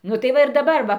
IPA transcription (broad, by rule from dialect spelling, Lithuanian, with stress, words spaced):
ˈnʊ tɐɪ ˈʋɐ ɪr dɐˈbɐr ˈʋɐ